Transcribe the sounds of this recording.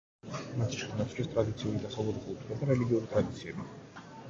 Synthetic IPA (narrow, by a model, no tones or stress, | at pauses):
mast͡ʃʰɛnat̪sʰɾɛst̪ʼɾad̪it̪sʰiulid̪asalˠuɾɡuut̪ʰnɛbaɾɛliɡiuɾit̪ʼɾad̪it̪sʰiɛbi